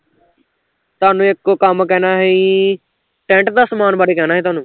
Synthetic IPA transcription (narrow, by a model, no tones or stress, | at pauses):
t̪ʊaːnũːɪkkəmkɛːnaːɦiː | ʈɛ̃ːɳʈd̪aːsəmaːnbaːɽeːkɛːnaːɦɛːt̪ʊaːnũː